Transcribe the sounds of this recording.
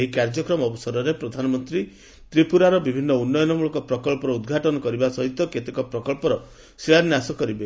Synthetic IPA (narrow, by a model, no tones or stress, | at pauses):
eɦikaɾd͡ʒɔkɾɔmɔbɔsɔɾɔɾepɾɔd̪ʱanɔmɔnt̪ɾi | t̪ɾipuɾaɾɔbibʱinːɔunːɔjɔnɔmuɭɔŋkɔpɾɔkɔɭpɔɾɔud̪ɡʱaʈɔnɔkɔɾibasɔɦit̪ɔket̪ekɔpɾɔkɔɭpɔɾɔ | siɭaniasɔkɔɾibe